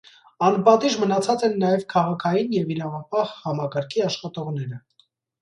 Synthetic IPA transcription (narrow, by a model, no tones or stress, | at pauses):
ɑnpɑt̪iʒmənɑt͡sʰɑt͡sɛnːɑjɛvkʰɑʁɑkʰɑjinjɛviɾɑvɑpɑhhɑmɑkɑɾkʰiɑʃχɑt̪ɔʁn̪ɛɾə